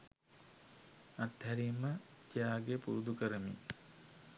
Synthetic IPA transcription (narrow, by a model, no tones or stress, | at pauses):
at̪ːæɾiːməd͡ʒijaːɡepṵɾud̪ukəɾəmḭ